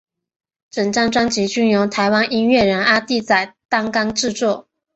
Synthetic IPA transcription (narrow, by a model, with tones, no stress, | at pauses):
ʈ͡ʂə˨˩ŋʈ͡ʂa˥˩ŋʈ͡ʂwa˥ŋt͡ɕi˧˥t͡ɕy˥njo˧˥ŋt̪ʰa˧˥ɪwa˥nʔi˥ŋɥɛ˥˩ɻə˧˥na˥t̪i˥˩t͡sa˨˩ɪt̪ɑ˥ŋkɑ˥ŋʈ͡ʂɻ̩˥˧t͡swɔ˥˩